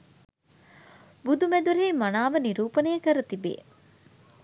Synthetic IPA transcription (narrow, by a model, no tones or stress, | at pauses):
bud̪umed̪uɾeːmanaːʋəniɾuːpənejəkəɾət̪ibḛː